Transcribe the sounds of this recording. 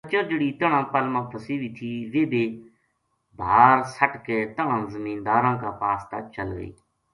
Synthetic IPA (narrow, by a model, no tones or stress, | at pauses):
ət͡ʃə̃ɾd͡ʒeɽiːt̪əɳãːpəlmãːpʰəsiːʋiːt̪ʰiːʋeːbeː | bʱaːɾsəʈkeːt̪əɳãːzəmiːnd̪aːɾãːkaːpaːst̪aːt͡ʃəlɡə̰ḭː